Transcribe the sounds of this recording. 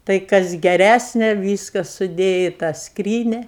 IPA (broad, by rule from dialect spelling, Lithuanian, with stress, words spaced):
ˈtɐɪ kɐs ɡʲɛˈrʲæsʲnʲɛ ˈʋʲiːskɐ sʊˈdʲeːjɛ ɪ tɑː ˈskrʲiːnʲɛ